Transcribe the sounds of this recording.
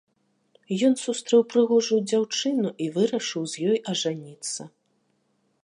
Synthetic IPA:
jɔnsust̪ɾɛwpɾɨɣɔʐujd͡zʲawt͡ʂɨnuʔivɨɾɐʂɨwzʲjɔjʔɐʐanʲit̪sːɐ

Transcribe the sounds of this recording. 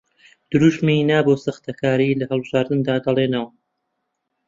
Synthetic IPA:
d̪̥ɨɾuːʃminaːboːsɨxt̪ʰɐkʰaːɾilɐhɨlˠbɨʒaːɾd̪ɨnd̪aːd̪ɐlˠeːnɐwa

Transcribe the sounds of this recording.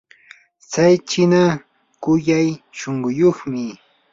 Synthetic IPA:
t͡sajt͡ʃɪna | kʊjajʃoŋɢʊjoχmɪ

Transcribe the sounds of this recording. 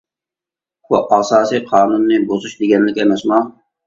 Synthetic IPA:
uʔɑsɑːsijqʰɑːnunːɨbozuʃd̪ɪɡʲɛnlɪkʲɛmɛsmɑ

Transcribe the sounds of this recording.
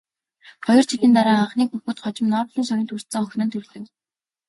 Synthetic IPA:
χɔjɞ̆r̥t͡ɕʰiɮiːnt̪̬aɾaːaɴχniːkxuxuːt̪χɔt͡ɕɪ̆mnɔːrɮĭːŋʃaɣʲɪ̆nt̪ʰur̥t̪sɘ̆ŋɵxʲnɵ̆nt̪ʰɵrɮɵ̆k

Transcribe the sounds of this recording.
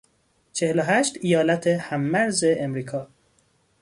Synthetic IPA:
t͡ʃʰeheloɦæʃt̪ijɒːlæt̪ʰehæmːæɾzeʔːmɾiːkʰɒː

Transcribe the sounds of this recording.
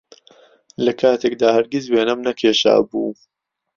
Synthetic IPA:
lɐkʰaːt̪ʰeːk̚d̪aːhɐɾɡʲɪzweːnɐmnɐkʲʰeːʃa̰ːbuː

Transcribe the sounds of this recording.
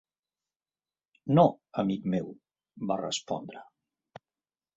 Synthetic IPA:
noəmikmew | barə̰spɔ̰nd̪ɾə

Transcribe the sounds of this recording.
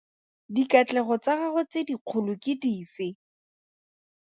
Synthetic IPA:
dikat͡ɬɛɣɔt͡saɣaχʊt͡sediq͡χʰʊlʊkɪdiːfɪ

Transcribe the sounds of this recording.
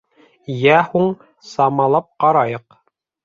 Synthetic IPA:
jæhuɴ | sɑmɑlˠɑp̚qɑɾɑjɤq

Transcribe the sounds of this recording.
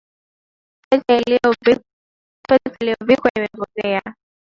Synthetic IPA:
pɛs | pɛsailijɔvikwaimɛpɔkɛa

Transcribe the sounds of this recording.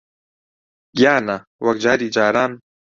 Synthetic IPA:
ɡjaːna | wɐkd͡ʒaːɾiːd͡ʒaːɾaːn

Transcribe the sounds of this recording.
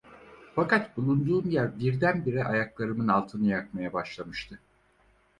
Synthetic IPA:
fakat̪bulˠund̪uːmjæɾbiɾd̪ænbiɾɛʔajaklˠaɾɯmɯnalˠt̪ʰɯnɯjakmajabaʃlˠamɯʃt̪ʰɯ

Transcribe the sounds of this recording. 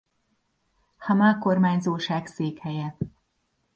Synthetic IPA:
hɒmako̞rmaːɲzoːʃaːkseːkhɛjɛ

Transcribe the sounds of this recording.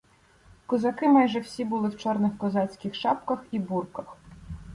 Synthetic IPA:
kɔzɐkɪmɑjʒɛwsʲibʊlˠɪwt͡ʃɔrnɪxkɔzɑt͡sʲkʲɪxʃɑp̚kɐxiburkɐx

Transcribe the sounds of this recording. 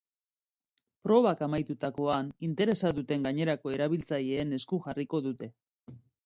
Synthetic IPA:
pɾo̞β̞akamajt̪ut̪ako̞anint̪e̞ɾe̞saðut̪e̞ŋɡaɲe̞ɾako̞e̞ɾaβilt͡saʎe̞ːne̞skuʝariko̞ðut̪e̞

